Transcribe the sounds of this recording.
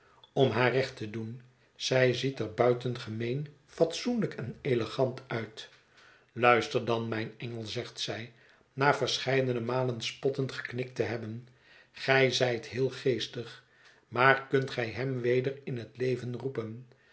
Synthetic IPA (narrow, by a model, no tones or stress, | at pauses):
ɔmɦaːrɛχtədun | z̥ɛjzitɛɹbœɥtənχəmejn | fɑtsunləkɛneləχɑntœɥt | lœɥstəɹdɑnmɛjnɛŋəlˠzɛχtsɛj | naːɹvəɹsχɛjdənəmaːlənspɔtəntχə̥knɪk̚təɦɛbən | χɛjzɛjtɦɪːlˠχejstəχ | maːɹkɵntχɛjɦɛmʋejdəɹɪnɦətlejvənrupən